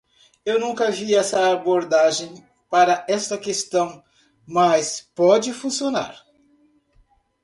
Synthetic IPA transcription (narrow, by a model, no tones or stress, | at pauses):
ewnũkɐaviɛsɐːboɾd̪aʒẽj̃ | paɾɐɛst̪ɐkest̪ɐ̃w̃ | mɐspɔd͡ʒɪfũsiona̰ɾ